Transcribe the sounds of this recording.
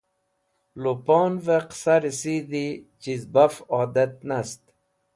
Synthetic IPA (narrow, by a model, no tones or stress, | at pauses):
lopoːnveqsaɾisid̪it͡ʃizbafɑːd̪et̪̚nast̪